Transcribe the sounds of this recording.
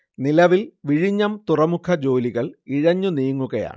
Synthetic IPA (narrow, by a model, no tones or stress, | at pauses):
nilɐʋilʋiɻiɲːɐmt̪urɐmukʰɐd͡ʑo̞ːliɣɐɭiɻɐɲːuniːŋːuɣɐja̰ːɳɨ